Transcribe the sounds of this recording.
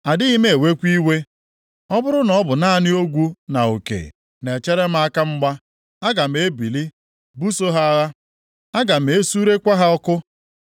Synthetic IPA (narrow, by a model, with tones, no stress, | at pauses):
a˨dɪ˦i˦me˦e˨we˦kʷi˦we˦ | ɔ˦bʊ˦ɾʊ˦nɔ˦bʊ˨na˦a˦˨nɪ˦o˦ɡʷu˦na˨o˨kḛ˨ | ne˨t͡ʃe˦ɾe˦m̩˦a˦ka˦ŋ͡m̩˦ɡ͡ba˦ | a˦ɡa˨m̩˨e˦bi˨li˦ | bu˦so˦ɦa˦a˦ɣa˦ | a˦ɡa˨m̩˨e˨˦su˦ɾe˦kʷa˦ɦa˦ɔ˦kʊ˦